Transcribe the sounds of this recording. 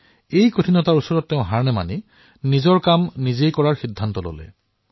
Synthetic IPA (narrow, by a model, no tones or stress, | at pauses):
ejkotʰinɔtaɹusɔɹɔtːɛʊ̃ɦaɹnɛma̰ni | nizɔɹkamnizejkɔɹaɹxidʱːantɔlo̰lɛ̰